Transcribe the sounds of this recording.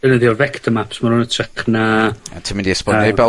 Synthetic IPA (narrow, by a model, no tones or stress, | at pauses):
ənəðjɔvɛktʰəmapsmaɾʊnətʰrɛχnaatʰimɪndiɛspɔnɛbɛ